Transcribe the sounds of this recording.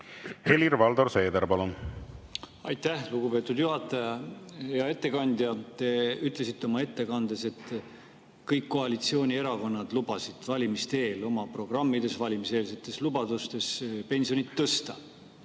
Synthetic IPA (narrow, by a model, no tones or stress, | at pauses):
heliɾvɑld̪orse̞ːd̪eɾpɑlun | ɑjt̪ːæhluɡupe̞ːt̪ˑud̪juɦɑt̪ːˑɑjɑjɑe̞t̪ːˑe̞kɑnʲd̪jɑt̪e̞yt̪ˑle̞sit̪ːeo̞mɑe̞t̪ːe̞kɑnd̪̥e̞se̞t̪ː | kɤjkːo̞ɑlit̪sio̞ːnʲie̞ɾɑko̞nːɑd̪̥lub̥ɑsid̪̥vɑlʲimist̪e̞ːlo̞mɑpro̞ɡ̥rɑmːid̪e̞svɑlʲimise̞ːlse̞t̪ːˑe̞slubɑd̪̥ust̪e̞spe̞nʲsio̞nit̪ːɤst̪ɑ